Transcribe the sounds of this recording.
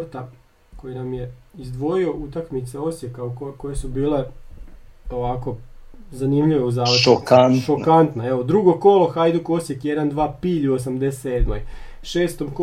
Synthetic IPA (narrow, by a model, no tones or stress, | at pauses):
ɾt̪a | ko̞jinamje̞izd̪ʋo̞io̞ʔut̪akmit̪seo̞sjekaukko̞jesubiːle̞ | o̞ʋako̞zanimʎʲiʋeuzaːʋokant̪okant̪naeʋod̪ɾuɡo̞ko̞loxajd̪uko̞sjekjed̪and̪ʋaːpiːʎʲuos̬amd̪esed̪moj | ʃeːst̪o̞mko